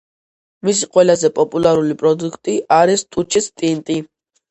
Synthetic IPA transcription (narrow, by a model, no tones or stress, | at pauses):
mis̬iqʼwɛlazɛpʼɔpʼulaɾulipʼɾɔd̪ukʰt̪ʼiʔaɾist̪ʼut͡ʃʰist̪ʼint̪ʼi